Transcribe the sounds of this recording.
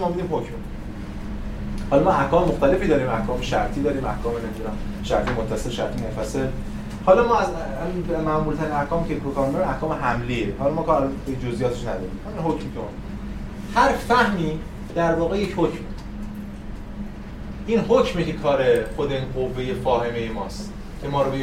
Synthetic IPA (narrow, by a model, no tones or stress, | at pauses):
mɒːbid̪iːmɦokmo | hɒːlɒmɒæhkʰɒːmemoxt̪æle̞fiːd̪ɒːɾiːmæhkʰɒːmeʃæɾt̪ʰiːd̪ɒːɾiːmæhkʰɒːmenemid̪unæm | ʃæɾt̪ʰiːmot̪ʰːæselʃæ̰ɾt̪ʰiːnæfæsel | hɒːlɒːmɒːæz | æminmæmuːlt̪ʰæɾinæhkʰɒːmekʰekokʰɒːɾmd̪ɒːɾimæhkʰɒːmeɦæmliːehɒːlɒmɒːkʰɒːɾælɒneid͡ʒozʔijɒːt̪ʰeʃnæd̪ɒ̰ːɾḭːmhæminɦocmit̪ʰon | hæɾfæhmiː | d̪̥æɾvɒːɣejechocm | ʔiːnɦocmecekʰɒːɾexod̪enɢovːe̞je̞fɒːhe̞me̞jemɒːst̪ | cʰemɒːɾobe